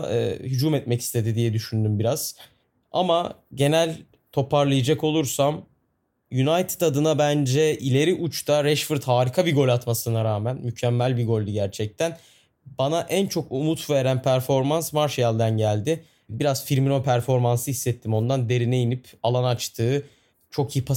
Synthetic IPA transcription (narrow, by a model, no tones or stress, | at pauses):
hyd͡ʒuːmɛt̪̚mɛci̥st̪ʰe̞d̪id̪ijɛd̪yʃynd̪ymbiɾaz̥ | a̰maɟe̞nælʲ | t̪ʰo̞paɾlˠɯjad͡ʒako̞lˠuɾsam | jynajt̪ʰi̥t̪ad̪ɯnabænd͡ʒɛilʲe̞ɾiʔut͡ʃt̪ʰaɾɛʃfɯɾt̪haːɾikʰabiɡo̞lʲat̪masɯnaɾaːmænmycʰɛmːælʲbiɡo̞lʲd̪uɟæɾt͡ʃʰɛc̚t̪ʰæn | banaʔænt͡ʃʰo̞kumut̪ve̞ɾænpʰæɾfo̞ɾmansmaɾʃjalʲd̪ænɟælʲd̪ɪ | biɾaz̥fiɾminopʰæɾfo̞ɾmansɯɦisːɛt̪ʰːimo̞nd̪and̪e̞ɾinejinipalˠanat͡ʃt̪ʰɯː | t͡ʃʰo̞kjipʰa